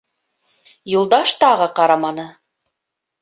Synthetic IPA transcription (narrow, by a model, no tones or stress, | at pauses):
jŭlˠd̪ɑʃt̪ɑʁɤqɑɾɑmɑnɤ